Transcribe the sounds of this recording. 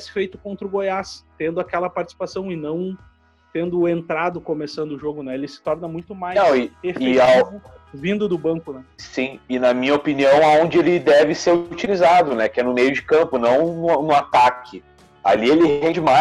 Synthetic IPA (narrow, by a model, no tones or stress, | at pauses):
sɪ̥fejt̪ʊ̥kõnt̪ɾʊɡojast̪ẽnd̪ʊakɛlɐpaɾt͡ʃi̥si̥pasɐ̃w̃ɪnɐ̃w̃ | t̪ẽnd̪ʊẽnt̪ɾad̪ʊkomesɐ̃nd̪ʊʒoɡʊnɛelɪsɪ̥t̪ɔɾnɐmũj̃t̪ʊmaj̪ɐ̃w̃ɪefɪejavʊ | vĩnd̪ʊd̪ʊbɐ̃ŋkʊnɛsĩɪnɐmĩɲɐopiniɐ̃w̃aõnd͡ʒɪelɪd̪ɛvɪseɾut͡ʃilizad̪ʊnɛkɪɛnʊmejʊd͡ʒɪkɐ̃mpʊnɐ̃w̃nʊnʊat̪akʰɪ | a̰lielɪhɦẽd͡ʒɪma